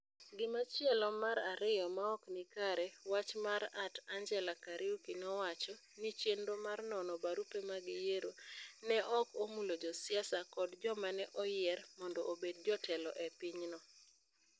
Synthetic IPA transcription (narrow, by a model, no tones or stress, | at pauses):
ɡɪmat͡ʃɛlɔmaɾaɾɪjɔmaɔknɪkaɾɛwat͡ʃmaɾatand͡ʒɛlakaɾiukinɔwat͡ʃɔ | nit͡ʃendomarnɔnɔbaɾupemaɡɪjeɾonɛʔɔkomulod͡ʒɔsɪasakɔdd͡ʒɔmanɛʔɔjɪɛrmɔndɔʔobed̚d͡ʒɔtɛlɔ̰ʔɛpɪɲnɔ